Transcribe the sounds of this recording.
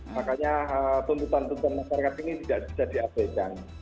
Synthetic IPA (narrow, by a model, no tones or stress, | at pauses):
makaɲaət̪unt̪ut̪ant̪ut̪anmaʃaɾakat̪init̪idaʔb̥i̥sadiasekan